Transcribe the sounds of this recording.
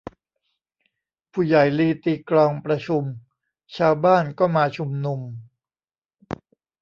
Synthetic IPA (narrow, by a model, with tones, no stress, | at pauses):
pʰuː˧˩ja˨˩jliː˧t̪iː˧klɔː˧ŋpɾa˧t͡ɕʰu˧m | t͡ɕʰaː˧wbaː˥˩nkɔː˥˩maː˧t͡ɕʰu˧mnu˧m